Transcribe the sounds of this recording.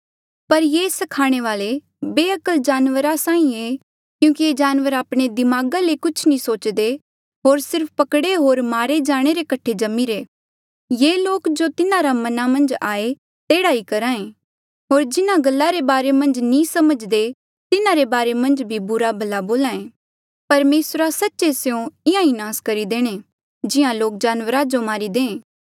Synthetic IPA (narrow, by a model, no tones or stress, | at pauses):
pɐɾjeːsɐkʰaːɽ̃eʋaːle | beːɐkəld͡ʒaːnʋəɾasãːĩe | kjũːkied͡ʒaːnʋəɾaːpɽ̃ed̪ɪmaːɡalekʊt͡ʃʰnĩsoːt͡ʃd̪e | ɦoːɾsɪɾpʰpɐkɽeɦoːɾmaːɾed͡ʒaːɽ̃eɾekɐʈʰed͡ʒɐmiɾeː | jeːloːkd͡ʒot̪ɪnãɾamɐnamɐ̃nd͡ʒaːe | t̪eːɽaːikɐɾãːẽ | ɦoːɾd͡ʒɪnãɡɐlːaɾebaːɾemɐ̃nd͡ʒnĩsɐməd͡ʒd̪e | t̪ɪnãɾebaːɾemɐ̃nd͡ʒbʱibʊɾabʱɐlaboːlãːẽː | pɐɾmeːsɾasɐtːʃeseõɪãinaːskɐɾid̪eːɽ̃e | d͡ʒɪjãloːk̚d͡ʒaːnwəɾad͡ʒomaːɾid̪ẽːẽː